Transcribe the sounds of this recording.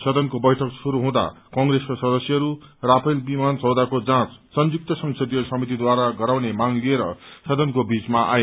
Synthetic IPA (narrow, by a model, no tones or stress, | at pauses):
sʌd̪ʌnkobʌjʈʰʌksuɾuɦũd̪a̰kʌŋɡɾeskosʌd̪ʌsjʌɦʌɾurapʰʌjlbimant͡sʌwd̪akod͡zãt͡ssʌnd͡zuk̚t̪ʌsʌŋsʰʌd̪ijʌsʌmit̪id̪waɾaɡʌɾawnemaŋlieɾʌsʌd̪ʌnkobit͡smaʔa̰e